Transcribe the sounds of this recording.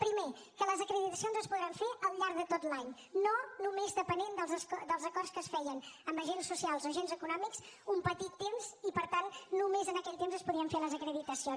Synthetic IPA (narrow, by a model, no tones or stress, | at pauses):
pɾime | kələzəkɾəðit̪əsionzəspuðɾaɱfeʔəlˠʎaɾɡðət̪ot̪laɲ | nonumezðəpənend̪əlˠzəskd̪əlˠzəkɔrskəsfɛjənəmbəʒensːusialˠzoʒenzəkunɔmiksumpət̪it̪ːemzipəɾt̪annumezənəkɛʎʲt̪emzəspuðɾiəɱfeləzəkɾəðit̪əsio